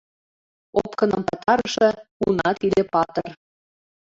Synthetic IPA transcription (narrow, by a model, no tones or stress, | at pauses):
opkɤ̆nɤ̆mpɑt̪ɑɾɤʃɤ̆unɑt̪ilepɑt̪ɤ̆r